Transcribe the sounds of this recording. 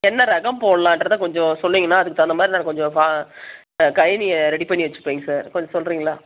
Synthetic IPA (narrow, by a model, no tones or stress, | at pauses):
ɛnːɐɾɐɣɐmpoːɽɐlãːɐndɾɐðãkɔɲd͡ʒɔ̃sɔlːiːŋɡɐnːaːɐðɯkːɯt̪ɐnd̪ɐmaːd̪ɾinaːnkɔɲd͡ʒɔ̃faː | kɐjɪniɾɛɽipɐɳnːiʋɐt͡ʃːɯ̥pːeːŋɡɐsaːɾkɔɲd͡ʒɔ̃sɔlɾiːŋɡɐɭaː